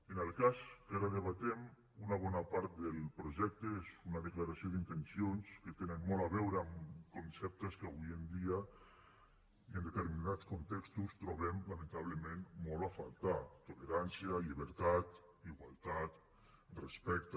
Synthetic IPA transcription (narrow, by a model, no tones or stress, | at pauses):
enelˠkaskaɾaðeβ̞at̪ɛm | unaβɔnapaɾt̪̚d̪elˠpɾoʒɛk̚t̪eezunaðeklaɾasioðint̪ensionsket̪enənmɔlaβɛwɾeamkonsɛp̚t̪eskaβujend̪ia | iend̪et̪eɾminat͡skont̪ɛkst̪ust̪ɾoβɛmlament̪aβ̞ləmẽnmɔlafa̰lˠt̪at̪oleɾansiaʎiβəɾt̪at̪ | iɣwalˠt̪at̪ | respɛk̚t̪